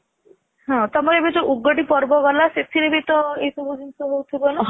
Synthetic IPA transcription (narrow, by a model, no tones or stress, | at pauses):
ɦɔ̃t̪ɔmɔɾebed͡ʒoʔuɡɔɖipɔɾbɔɡɔlaset̪ʰiɾebet̪ɔejsɔbʱud͡ʒinsɔɦowt̪ʰibɔnɔ